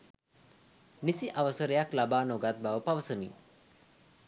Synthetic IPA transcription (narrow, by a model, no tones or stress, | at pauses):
nisiʔaʋəsəɾəjaklabaːnoɡat̪̚baʋəpaʋəsəmḭ